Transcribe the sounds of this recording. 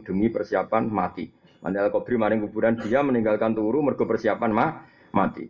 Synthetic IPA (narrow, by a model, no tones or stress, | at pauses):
d̪̥ə̤mipərsiapanmat̪ḭ | ma̰niɛlkɔb̥ɾimaɾɪŋkub̥ṳɾand̥iaməniŋɡalkant̪uɾumərɡ̥ɔpərsiapanmah | ma̰t̪ḭ